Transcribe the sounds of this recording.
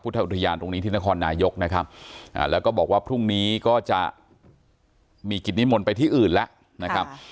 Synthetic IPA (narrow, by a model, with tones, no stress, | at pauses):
pʰu˦˥˩t̪ʰːa˧ʔt̪ʰa˧jaː˧nt̪o˧ŋni˦˥t̪ʰiː˥˩na˦˥kʰɔː˧nːaː˧jo˦˥k̚na˦˥kʰa˦˥p̚ʔa̰ː˨˩lɛː˦˥wkɔː˥˩bɔː˨˩k̚waː˥˩pʰɾu˥˩ŋniː˦˥kɔː˥˩t͡ɕa˨˩ | miː˧ki˨˩t̪̚ni˦˥mo˧npa˧jt̪ʰiː˥˩ʔɯː˨˩nlɛ˦˥ʔ | na˦˥kʰa˦˥p̚